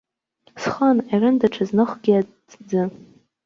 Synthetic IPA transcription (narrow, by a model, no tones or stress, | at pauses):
sχanarɨndaʈ͡ʂʰaznɨχʷɡʲia | d͡zɨ